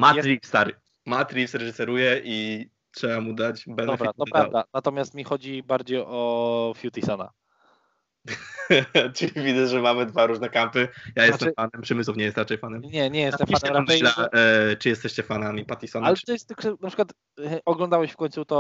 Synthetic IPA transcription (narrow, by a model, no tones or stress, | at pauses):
maɾʲifst̪aɾ | mat̪ɾʲifsɾɛʐɨsɛɾujɛʔi | tʂɛbamud̪at͡ɕbɛnɔɛfbɾat̪ɔpɾad̪anat̪ɔmʲjast̪mʲixɔd͡ʑibaɾd͡ʑejɔfjut̪isɔna̰ | ʈ͡ʂɨivʲizɛʐɛmamɘd̪vaɾuʐnɛkampɘjajɛst̪ɛfanɛmpʂɛmɘswufɲɛjɛst̪ɾat͡ʂɛjfanɛmɲɛɲɛjɛst̪ɛmfaɛɛmɾaɛjlat͡ʂɨjɛst̪ɛɕt͡ɕɛfanamʲipat̪ʲisɔnalɛt̪ɔjɛst̪kʂɛnapʂɘ̥kwat̪ | ʔɔɡlɔnd̪awɛɕfkɔɲ̃t̪sut̪ɔ